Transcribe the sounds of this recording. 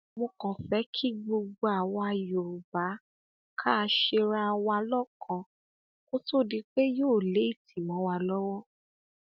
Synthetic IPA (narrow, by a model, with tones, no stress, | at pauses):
mõ˧kɔ̃˨fɛ˨˦kʰi˦ɡ͡bo˧ɡ͡bo˧a˨wa˧jo˨ɾu˨ba˨˦ | kʰa˦a˧ʃe˧ɾa˧wa˧lɔ˦kʰɔ̃˧˨ | ko˦to˦˨di˨˦k͡pe˦joː˦˨le˨˦i˦˨tʰi˨mɔ̃˨˦wa˧lɔ˦wɔ˦